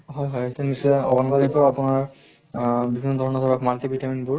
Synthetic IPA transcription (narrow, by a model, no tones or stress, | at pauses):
ɦɔjɦɔjetunisɔɔ̰bɔnbadapaapunaɹ | bibʱinːɔd̪ʱɔɹɔnɔsʰɔɹakʰmantibitaminbʊɹ